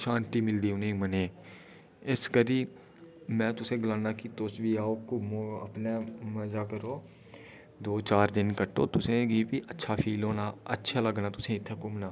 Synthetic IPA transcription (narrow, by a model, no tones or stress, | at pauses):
ʃãːnt̪iːmɪld̪iːʊnẽːmənẽː | ɪskəɾiː | mɛ̃ːt̪ʊsẽːɡlaːnaːkit̪ʊsbiːaːoːkʊmoːə̰pnaːməd͡ʒaːkəɾoː | d̪oːt͡ʃaːɾd̪ɪnkəʈo̰ːt̪ʊsẽɡibiːʔətːʃʰaːpʰiːloːnaːə̰tːʃʰaːləɡnaːt̪ʊsẽːɪt̪ʰːekʊmnaː